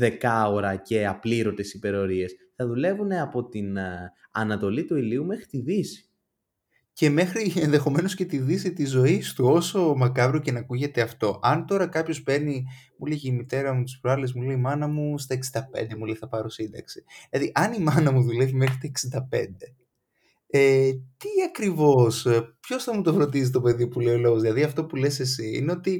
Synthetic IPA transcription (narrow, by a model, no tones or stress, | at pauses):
ðe̞kɐo̞ɾɐce̞ɐpliɾo̞t̪e̞sipe̞ɾeoɾie̞sθɐðule̞vune̞ɐpo̞t̪inɐ̰nɐt̪o̞lit̪uiliumexɾit̪iðisi̥ | ce̞me̞xɾienðe̞xo̞me̞nosce̞t̪iðisit̪izo̞ist̪uo̞so̞mɐkɐvɾoce̞nɐkuʝe̞t̪e̞ɐft̪o̞ʔɐnt̪o̞ɾɐkɐpço̞spe̞ni | muleʝeimit̪e̞ɾɐmut̪i̥spɾɐlezmuleimɐnɐmust̪ɐeksind̪ɐpḛnd̪e̞muleθɐpɐɾo̞sind̪ɐ̰ksi̥lɐðiʔɐnimɐnɐmuðule̞vimexɾit̪oeksind̪ɐpe̞̰nd̪e̞ | et̪iɐkɾivo̞spço̞sθɐmut̪o̞fɾo̞d̪isist̪o̞pe̞ðipuleolo̞ɣozðilɐðiɐft̪o̞pule̞se̞s̬iḭneo̞t̪i